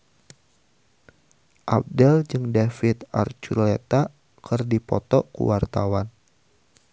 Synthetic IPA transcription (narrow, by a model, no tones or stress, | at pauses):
ʔab̚dɛld͡ʒɨŋdafit̪a̰rt͡ʃurlet̪a | kɨrdipɔ̰t̪ɔkṵwart̪awan